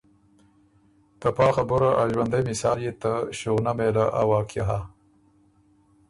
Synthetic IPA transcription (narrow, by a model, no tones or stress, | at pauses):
t̪apɑːxabʊɾaʔaʒwand̪ajmɪsɑːljet̪aʃuɣnamelaʔawɑːkʰjaɦa